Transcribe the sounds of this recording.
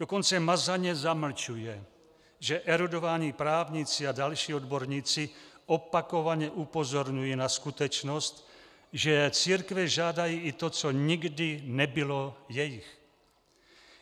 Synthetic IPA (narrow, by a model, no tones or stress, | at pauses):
d̥okont͡sɛmazaɲɛzaml̩t͡ʃujɛ | ʒɛʔɛɾudo̞vaːɲiːpɾaːvɲiːt͡sɪadalʃiːodboɾɲiːt͡sɪʔopako̞vaɲɛʔupo̞zoɾɲujinaskut̪ɛt͡ʃnost̪ | ʒɛt͡siːɾkvɛʒaːdajiːʔɪt̪ot͡soɲɪɡdɪnɛbɪlojɛjɪx